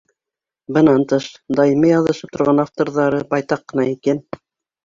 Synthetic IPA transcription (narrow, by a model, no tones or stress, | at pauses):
bɤ̆nɑnt̪ɤʃd̪ɑjɤmɤjɑðɤ̆ʃɤp̚t̪ʰŏɾʁɑnaft̪oɾðɑɾɤbɑjt̪ɑqːɤ̆nɑikæn